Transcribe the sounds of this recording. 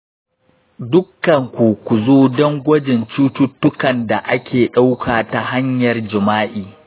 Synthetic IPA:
dʊ˦kːɐ˨ŋkʷu˨kʷu˨zoː˦dɔ˦ŋɡʷɐ˦d͡ʒɪ˨nt͡ʃuː˦tʊ˦tːʊ˦kɐ˨nda˨ʔa˦kʲʰeː˨ɗa˦wkʰaː˨ta˦ɦa˦ɲjɐ˨rd͡ʒɪ˨maː˦ʔiː˨

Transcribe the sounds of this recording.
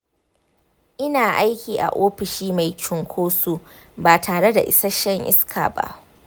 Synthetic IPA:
ʔɪ˦naː˨ʔa˦jkʲiː˨ʔa̰˨ʔoː˦ɸɪ˨ʃiː˦ma˨jt͡ʃʊ˨ŋkʷʰoː˦su˦ | baː˨tʰaː˨ɽe˦da̰˨ʔɪ̰˦sɐ˦ʃɐ˦ŋʔɪ̰˦skʰa̰ː˨ba̰˦ʔ

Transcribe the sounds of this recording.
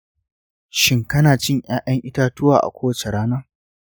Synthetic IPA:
ʃɪ˦ŋkɐ˦naː˨t͡ʃɪ˦˨ɲj̰aː˦jɐ˦ŋʔɪ˦taː˦tʊ˦waː˨ʔa̰˨kʷoː˦wɐ˦t͡ʃe˨ɽaː˦naː˦

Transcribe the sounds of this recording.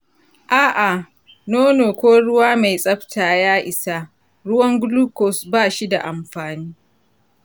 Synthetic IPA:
ʔaː˦ʔa˨ | noː˦noː˨kʷoː˦ɽʊ˦waː˦ma˨jsʼɐ˦ɸtʰaː˨jaː˦ʔɪ˨sa˦ | ɽʊ˦wɐ˦ŋɡʊ˦luː˦kɔ˨sbaː˦˨ʃi˦da̰˨ʔa˨mɸaː˨niː˦

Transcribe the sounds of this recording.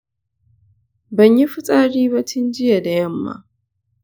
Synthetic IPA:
bɐ˨ɲji˦ɸʊ˦sʼaː˦ɽiː˦ba˦tʰʊ˦nd͡ʒɪ˦ja˨da˨jɐ˦˨mːa̰˦

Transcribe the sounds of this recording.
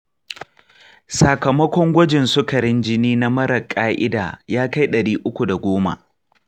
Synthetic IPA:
sa˨kɐ˨mɐ˦kʷɔ˦ŋɡʷɐ˦d͡ʒɪ˨nsʊ˦kɐ˨ɾɪ˦nd͡ʒɪ˦niː˦na˦mɐ˦ɾɐ˨kʼaː˦ʔɪ˦da̰ː˨jaː˦ka˦jɗɐ˨ɽiː˦ʔʊ˦kʷu˨da˨ɡʷoː˦ma̰˨ʔ

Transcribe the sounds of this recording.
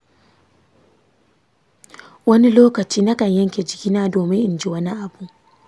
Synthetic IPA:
wɐ˦ni˦loː˦kɐ˨t͡ʃiː˦na˦kɐ˨ɲjɐ˦ŋkʲe˨d͡ʒɪ˨kʲiː˦naː˦doː˨mɪ˦ŋʔɪ˨nd͡ʒi˦wɐ˦ni˦ʔa˨bu˨ʔ

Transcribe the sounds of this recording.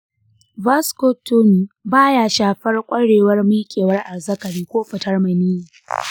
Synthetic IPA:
va˦sko˦tːʊ˦˨nbaː˦ja˦ʃaː˨ɸɐ˦rkʷʼɐ˦ɽeː˨wɐ˦rmi˦kʲʼeː˨wɐ˦rʔa˨zɐ˦kɐ˨ɽiː˦kʷoː˦ɸɐ˨tɐ˦rmɐ˨niː˦ji˨

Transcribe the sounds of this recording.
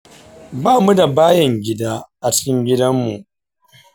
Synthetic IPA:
baː˦˨mu˦da˨baː˦jɐ˨ŋɡʲɪ˦daː˦ʔa˨t͡ʃɪ̥˦kʲɪ˦ŋɡʲɪ˦dɐ˦mːu˨ʔ

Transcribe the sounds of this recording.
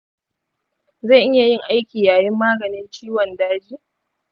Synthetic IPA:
za˦˨ʔɪ˦ja˨jɪ˦˨ŋʔa˦jkʲiː˨jaː˨jɪ˦mːaː˦ɡɐ˨nɪ˦nt͡ʃiː˦wɔ˨ndaː˦d͡ʒiː˦˨

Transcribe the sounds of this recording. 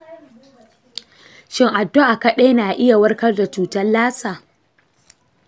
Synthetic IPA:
ʃɪ˦ŋʔa˨dːo˦ʔa˨kɐ˦ɗe˦naː˨ʔɪ˦ja˨wɐ˦rkɐ˦rda˨t͡ʃuː˨tɐ˦lːaː˦saː˨

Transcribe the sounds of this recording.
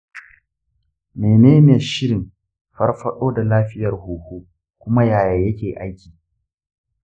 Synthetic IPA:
meː˨neː˦m˦e˨ʃɪ˦ɾɪ˨m | ɸɐ˦rɸɐ˦ɗoː˦da˨laː˦ɸɪ˦jɐ˨rhuː˨huː˦ | kʷʊ˦ma˦jaː˨jaː˨jɐ˦kʲeː˨ʔa˦jkʲiː˨

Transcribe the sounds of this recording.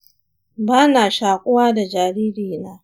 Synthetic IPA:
baː˦naː˨ʃaː˨kʷʼʊ˦waː˦da˨d͡ʒaː˨ɾiː˦ɾiː˨naː˦

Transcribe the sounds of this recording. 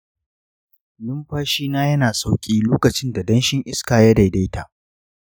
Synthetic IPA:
lʊ˦mɸaː˦ʃiː˦naː˦jɐ˦naː˨sa˦wkʲʼiː˦loː˦kɐ˨t͡ʃɪ˦nda˨dɐ˦nʃɪ˦ŋʔɪ˦skaː˨ja˦da˨jda˦jta˨ʔ

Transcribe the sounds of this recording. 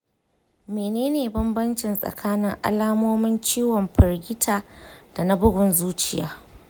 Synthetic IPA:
meː˨neː˦neː˨bɐ˦mbɐ˦nt͡ʃɪ˨nsʼɐ̰˨kʰaː˦nɪ˦ŋʔa̰˦laː˦moː˦mɪ˦nt͡ʃiː˦wɔ˨mɸɪ˨rɡʲɪ˦tʰaː˨d̥a˨na˦bʊ˦ɡʷʊ˨nzuː˦t͡ʃɪ˦˨ja̰ː˦

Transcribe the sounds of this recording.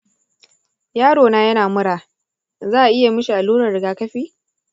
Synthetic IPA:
jaː˦ɽoː˨naː˦jɐ˦naː˨mʊ˦ɽaː˨ | zaː˦ʔa˨ʔɪ˦ja˨mɪ˦ʃi˨ʔa˨luː˦ɾɐ˨rɽɪ˨ɡaː˨kɐ˦ɸiː˦

